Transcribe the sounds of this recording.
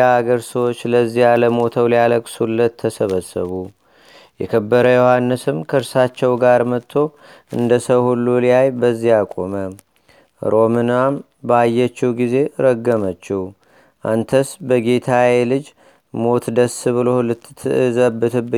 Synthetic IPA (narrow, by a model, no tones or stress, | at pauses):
aaɡəɾsəwot͡ʃːləzːihaləmo̞t̪ʰəwlijaləkʼsulːət̪ʰːəsəβəsːəβu | jɛkʰəbːəɾəjohanːɨsɨmkʰəɾsat͡ʃːɛwɡaɾmət̪ʰːo̞ | ɨnd̪əsəwhulːulijajbəzːijakʼo̞mə | ɾo̞mɨnam | bəajːɛt͡ʃːɛwɡize̞ɾəɡːəmət͡ʃːihu | ʔa̰nt̪ʰəsbəɡe̞t̪ʰawelɨd͡ʒ | mo̞t̪d̪əsɨβɨlo̞lɨt̪ːɨɨzəbːɨt̪ʰɨbːɨ